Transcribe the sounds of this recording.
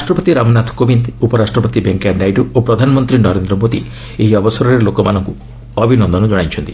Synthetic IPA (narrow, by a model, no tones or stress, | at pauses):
ɾaʃʈɾɔpɔt̪iɾamɔnat̪ʰkobind̪upɔɾasʈɾɔpɔt̪ibeŋkaɖajɖuopɾɔd̪ʱanɔmɔnt̪ɾinɔɾend̪ɾɔmot̪ḭ | eɦiɔbɔsɔɾɔɾelokɔmanɔŋku | ɔbʱinɔnd̪ʱɔnɔd͡ʒɔɽ̃ajt͡ʃʰɔnt̪i̥